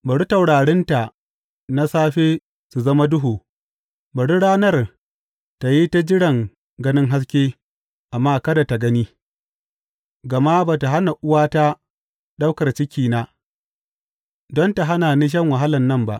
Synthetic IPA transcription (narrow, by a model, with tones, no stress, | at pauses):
bɐ˨ɽi˦ta˨wɽaː˨ɽɛ˦nta˨ | na˦saː˦ɸeː˦ | su˨zɐ˦ma˦dʊ˦ɦuː˨ | bɐ˨ɽi˦ɽaː˦nɐ˦r | ta˨ji˦ta˦d͡ʒɪ˦ɽɐ˨ŋ | ɡɐ˦nɪ˦ŋɦa˦s̬kʲeː˦ | ʔa˨mːaː˦kɐ˦da˨ta˨ɡɐ˦niː˦ | ɡɐ˨ma˦baː˨ta˨ɦa˦na˨ʔʊ˦waː˦ta˦ | ɗa˦wkɐ˨rt͡ʃɪ˦kʲiː˨na˦ | dɔ˦nta˨ɦa˦naː˨niː˦ʃ̬ɐ˦˨ŋwa˨ɦa˦lɐ˨nːɐ˦mba˦ʔ